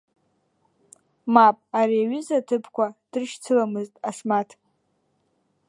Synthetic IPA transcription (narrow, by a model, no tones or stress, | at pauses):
mapʼariaɥʏzatʰɨpʰkʷad̥rʃt͡sʰɨlamɨztʼaʂmatʰ